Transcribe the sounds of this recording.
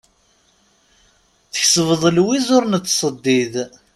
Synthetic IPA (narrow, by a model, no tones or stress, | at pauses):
θəçsvəðˤəlwizʊɾnət͡s̪ːsˤəd̪ːið